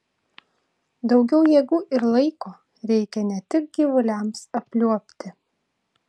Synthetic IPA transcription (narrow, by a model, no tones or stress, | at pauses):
d̪ɒʊɡʲɛʊjɛːɡuːʔɪɾlˠɐɪkoː | ɾʲɛɪkʲɛnʲɛt̪ʲɪk̚ɡʲiʋʊlʲɛˑmsɐpʲlʲuɔpʲt̪ʲɪ